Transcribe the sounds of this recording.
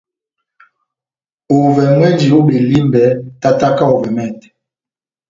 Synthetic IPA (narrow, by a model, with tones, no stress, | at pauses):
o˨vɛ˨mwɛ˦nd͡ʒi˨o˦ɓe˨li˦mbɛ˨˦ta˦ta˦ka˦o˨vɛ˨mɛ˦˨t